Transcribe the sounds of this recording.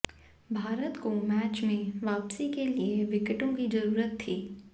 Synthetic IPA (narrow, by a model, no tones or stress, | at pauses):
bʱaːɾət̪komɛːt͡ʃmẽʋaːpsikelieʋɪkʈõkid͡ʒɐɾuːɾət̪ʰːiː